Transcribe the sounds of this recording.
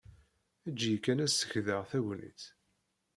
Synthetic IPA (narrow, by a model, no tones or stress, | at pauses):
æd͡ʒːjəkːænæsːə̥çðəʁθæʝnḭθ